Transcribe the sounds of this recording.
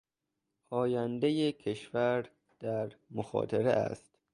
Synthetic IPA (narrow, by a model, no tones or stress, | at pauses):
ɒːjænd̪ejecʰe̞ʃvæɾ | d̪̥æɾmoxɒ̰ːt̪ʰeɾḛæ̰st̪